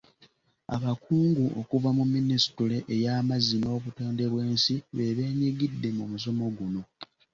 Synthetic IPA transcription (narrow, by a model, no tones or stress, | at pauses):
a̰βakʰuːŋɡuʔo̰kuvamumːinisi̥tule̞ʔejaːmazino̞ːβuto̞ːnde̞βwe̞ːnsiβe̞βe̞ːɲiɡidːe̞mumuso̞mo̞ɡuno̞